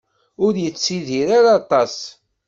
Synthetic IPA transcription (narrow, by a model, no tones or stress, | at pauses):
ʊɾjət͡sːiðiɾaɾat̪ˤɑs